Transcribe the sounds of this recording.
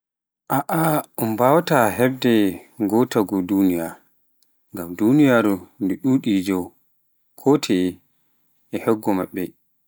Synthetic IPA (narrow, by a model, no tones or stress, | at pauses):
ʔaʔaɔmbawataɦɛbdɛɡɔtaɡɔdunijaɾ | ŋɡamdunijaɾundɛɗuːɗid͡ʒɔw | kʰɔtʰɛ | ɛhɛɡːɔmaɓːɛ